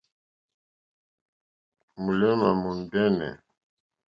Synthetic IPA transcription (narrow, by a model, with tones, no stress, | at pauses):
mu˨lɛ˦ma˨mu˨n˨dɛ˦nɛ̰˨